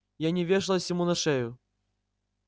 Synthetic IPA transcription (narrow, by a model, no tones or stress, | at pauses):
janʲɪvʲeʂɨlˠɐsʲjʲɪmunɐʂɛjʊ